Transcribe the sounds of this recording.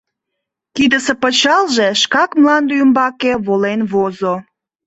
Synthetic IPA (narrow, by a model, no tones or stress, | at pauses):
kid̪əsepət͡ɕɑlʒeʃkɑkmlɑnd̪ojəmbɑkeβolenβozo